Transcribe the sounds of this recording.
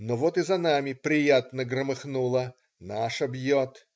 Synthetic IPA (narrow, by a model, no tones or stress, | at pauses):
novot̪ɨzɐnamʲɪpɾʲɪjat̪nəɡɾəmɨxnulˠə | naʂɐbjot̪